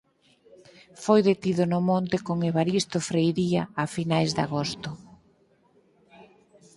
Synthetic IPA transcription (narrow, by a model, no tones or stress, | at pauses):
fojðet̪iðʊnʊmõnt̪ɪkoŋeβaɾist̪ofɾejɾia̰ːfinajzd̪a̰ɣost̪ʊ